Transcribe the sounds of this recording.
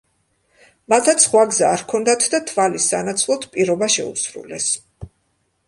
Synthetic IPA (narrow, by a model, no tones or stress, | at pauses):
mat̪ʰat̪sʰχwaɡzaːɾkʰɔnd̪at̪ʰd̪at̪ʰvalisanat̪sʰlˠɔt̪ʰpʼiɾɔbaʃɛ̰ṵsɾṵlɛs